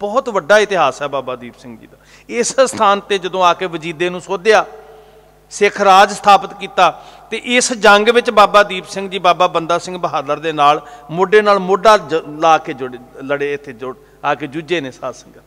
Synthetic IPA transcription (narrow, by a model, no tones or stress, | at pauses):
b̥ɔːt̪ʋəɖːaːɪt̪ɪɦaːsɛːbaːbaːd̪iːbsɪŋɡd͡ʒḭːd̪aː | ɪsst̪ʰaːnt̪eːd͡ʒəd̪õːaːkeːʋəd͡ʒiːd̪eːnũːsoːd̪ejaː | sɪkʰɾaːd͡ʒsə̥t̪ʰaːpət̪kiːt̪aːt̪eːʔɪsd͡ʒəŋɡʋɪt͡ʃbaːbaːd̪iːpsɪ̃ŋɡd͡ʒiːbaːbaːbənd̪aːsɪ̃ŋɡbəɦaːd̪əɾd̪eːnaːlmoːɖeːnaːlmoːɖaːlaːkeːd͡ʒʊɽeləɽeːɪt̪ʰːeːd͡ʒʊ | aːkeːd͡ʒʊd͡ʒeːneːsaːsəŋɡ